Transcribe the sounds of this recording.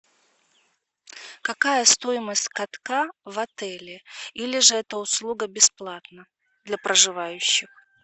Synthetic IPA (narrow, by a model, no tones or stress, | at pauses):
kɐkajəst̪o̞jɪməsʲtʲkɐt̪kavɐt̪ɛlʲɪilʲɪʐɨɛt̪əʊslˠuɡəbʲɪsplˠat̪nə | d̪lʲɐpɾəʐɨvajʉɕːɪx